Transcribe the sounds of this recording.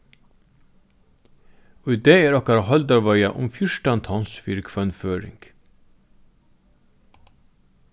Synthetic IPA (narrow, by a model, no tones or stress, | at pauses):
ɔʏd̪eːeːɾɑkɑɾɑhɑld̪ɑʋɑʏɑʔʊmfjʊʃʈɑænt̪ʰɑnsfɪɾɡfœnføːɾɪ̰ŋɡ̥